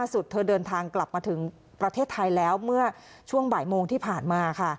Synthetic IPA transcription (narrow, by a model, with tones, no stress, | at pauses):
aː˥˩su˨˩t̪ʰːɤː˧dɤː˧nt̪ʰaː˧ŋkla˨˩p̚maː˧t̪ʰɯ˩˦ŋ | pɾa˧t̪ʰeː˥˩t̪ʰːa˧jlɛː˦˥wmɯ˥˩ɐ | t͡ɕʰu˥˩əŋbaː˩˦jmoː˧ŋt̪ʰiː˥˩pʰaː˨˩nmaː˧kʰa˥˩